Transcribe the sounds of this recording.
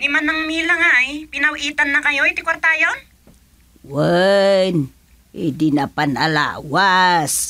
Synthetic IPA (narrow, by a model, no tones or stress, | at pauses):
ɡɪmanːɐŋmilaŋaʔjpɪnɐwʔiːt̪anːɐkɐjoɛt̪ɪkwaɾt̪ajon | wɛn | ḭd̪inapanala̰ːwas